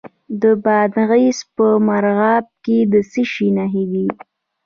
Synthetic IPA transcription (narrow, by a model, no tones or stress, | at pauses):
d̪əbɑd̪ɣispəmaɾɣɑb̚ked̪əsiʃinaɦid̪i